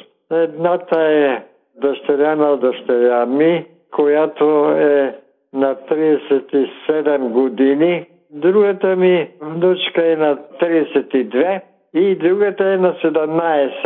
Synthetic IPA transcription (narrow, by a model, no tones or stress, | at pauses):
ɛd̪nat̪aɛ | d̪ɔʃt̪ɛɾjanad̪ɔʃt̪ɛɾjami | kʰɔjat̪oɛ | nat̪ɾiɛsɛt̪isɛd̪ɛmɡɔd̪ini | d̪ɾuɡat̪amivnut͡ʃkaɛnat̪ɾiɛsɛt̪id̪vɛ | id̪ɾuɡat̪aɛnasɛd̪amnaɛs